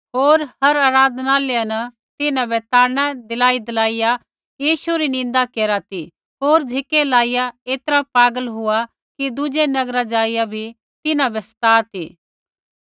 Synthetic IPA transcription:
ɦoːɾhɐɾaːɾaːd̪naːleːjanɐ | t̪ɪnãbɛt̪aːɾñad̪ɪlaːid̪ɪlaːɪja | jiːʃuɾinɪ̃nd̪akeːɾat̪i | ɦoːɾd͡ʒʱɪkelaːɪjaeːt̪əɾapaːɡəlɦʊa | kid̪ʊd͡ʒenɐɡɾad͡ʒaːijabʱi | t̪ɪnãbɛsɐ̥t̪aːt̪ḭː

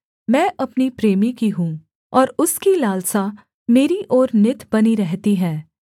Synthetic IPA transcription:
mɛ̃ːʔɐpnipɾeːmikiɦũː | ɔːɾʊskilaːlsa | meːɾiʔɔːɾnɪt̪bɐniɾɛɦt̪iɦɛ̃ː

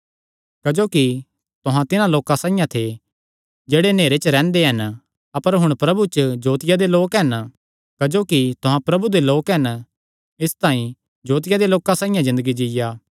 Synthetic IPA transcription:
kɐd͡ʒoːki | t̪ʊɦãt̪ɪnãloːkãsaːɪjãt̪ʰe | d͡ʒeːɽeneːɾet͡ʃəɾɛ̃ːnd̪eɦɐn | ɐpəɾɦʊɽ̃pɾɐbut͡ʃəd͡ʒoːt̪ɪjad̪eloːkɦɐn | kɐd͡ʒoːkit̪ʊɦãpɾɐbud̪eloːkɦɐn | ɪst̪ãːĩ | d͡ʒoːt̪̬ɪjad̪eloːkãsaːɪjãzɪ̃nd̪əɡid͡ʒɪjaː

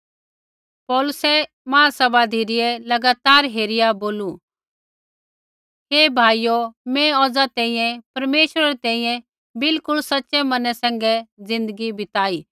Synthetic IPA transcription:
pɔːlʊsɛ | mãːsɐbad̪ʱiɾɪjɛlɐɡaːt̪aːɾɦeːɾɪjaboːlũ | ɦeːbʱaːijomɛ̃ɔːd͡zat̪ɛ̃ːĩjɛ̃pɐɾmeːʃɾaɾɛt̪ɛ̃ːĩjɛ̃ | bɪlkʊɭsɐtːʃɛmɐnɛsɛ̃ːŋɡɛd͡zɪ̃nd̪əɡibɪt̪aːiː

